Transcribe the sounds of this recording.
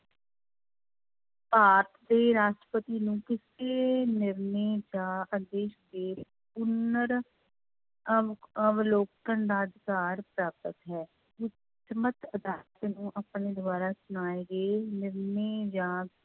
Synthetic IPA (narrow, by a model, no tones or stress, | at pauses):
paːpd̪eːɾaːʃʈɾə̥pət̪iːnũːkɪseːnɪɾneːd͡ʒãːəd̪eːʃd̪eː | pʊnəɾ | əʋloːk̚t̪ənd̪aːd̪ɪkaːɾpɾaːp̚t̪ət̪ɦɛː | ʊ | əmət̪əd̪aːlət̪nũːʔəpneːd̪ʊaːɾaːsʊnaːeːɡeːnɪɾneːd͡ʒãː